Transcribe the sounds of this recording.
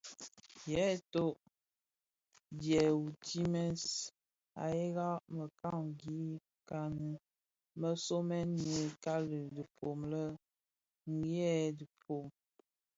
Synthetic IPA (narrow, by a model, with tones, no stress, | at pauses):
jɛ˨˦to˦ʔ | djɛ˨u˨tʰi˦mɛ˦s | a̰˨je˦ɣa˦ʔmə˨ka˦˨ŋɡi˨˦ | ka˦nə˦ | mə˦so˦mɛ˦nne˨ka˦lə˨də˨pʰo˨mlə˦ | ŋ˦ɡjɛ˦˨də˨pʰo˨m